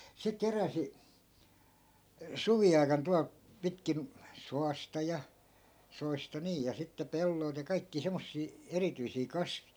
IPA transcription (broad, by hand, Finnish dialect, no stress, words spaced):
se keræsi suʋiɑi̯kɑn tuɑlt̆ pitkin soɑstɑ jɑ soistɑ niːj jɑ sitːe pelːoi̯lt̆ jɑ kɑikːiː semːosːiː erityisiː kɑsʋi̥